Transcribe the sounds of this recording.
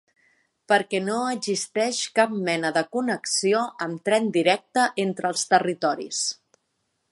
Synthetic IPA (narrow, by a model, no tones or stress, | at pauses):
pəɾkɛnoəzist̪ɛʃkap̚mɛnəðəkunəksioəmt̪ɾɛnd̪iɾɛk̚t̪əʔent̪ɾəlˠst̪ərit̪ɔɾḭs